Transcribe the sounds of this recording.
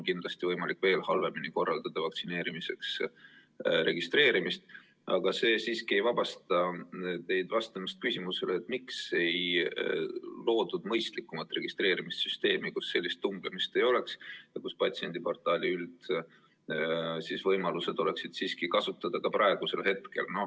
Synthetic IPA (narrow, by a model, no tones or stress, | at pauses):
onkind̪lɑst̪ivɤjmɑlikːˑve̞ːlhɑlve̞miniko̞rːɑld̪̥ɑd̪̥ɑvɑk̚tsine̞ːɾimise̞ks | ɾe̞̰ɡ̥ist̪re̞ːɾimist̪ | ʔɑ̰ɡ̥ɑse̞ːsiːskie̞jvɑb̥ɑst̪ɑt̪e̞jd̪̥vɑst̪ɑmɑst̪̚kysʲimuse̞leːt̪ːˑmikse̞j | lo̞ːd̪̥ud̪̥mɤjst̪likːˑumɑt̪ːˑre̞ɡ̥ist̪re̞ːɾimist̪syst̪e̞ːmikusːe̞lʲːist̪ːuŋɡ̥lemist̪e̞jo̞le̞ksjɑkuspɑt̪sie̞nd̪̥ipo̞rt̪ːˑɑːlʲiyld̪ | sisvɤjmɑluse̞d̪̥o̞le̞ksid̪̥siːskikɑsut̪ˑːɑd̪̥ɑkɑpɾɑe̞ɡ̥use̞lhe̞t̪ke̞̰lno̞